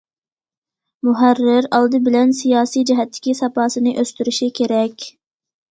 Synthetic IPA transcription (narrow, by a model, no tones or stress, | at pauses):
mʊɦærːɪɾɑlˠd̪ɨbɪlɛnsijɑːsijd͡ʒɛɦɛt̪ʰːɪ̥kʲisɑpɑːsɨnɨʔøst̪yɾyʃikʲʰeɾɛkʲ